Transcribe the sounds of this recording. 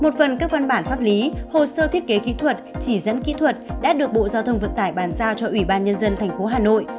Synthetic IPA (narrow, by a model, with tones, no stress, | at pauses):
mo˨˩t̚fə˨˩nkaː˦˥k̚va˧nɓaː˧˩nfaː˦˥p̚li˨˦ho˨˩səː˧t̪ʰi˦˥ət̚ke˨˦kḭ˧˥t̪ʰwə˨˩t̚t͡ɕi˧˩zə̰˧˥nkḭ˧˥t̪ʰwə˨˩t̚ɗa̰ː˧˦˥ɗɨ˨˩ək̚ɓo̰˧˨zaː˧wt̪ʰə˧wŋ͡mvə̰˧˨nt̪aː˧˩jɓaː˨˦nzaː˧wt͡ɕɔ˧ʔwi˧˩ɓaː˧nɲə˧nzə˧nt̪ʰɛ˨˩ŋ̟fo˨˦ɦaː˨˩no̰˧˨j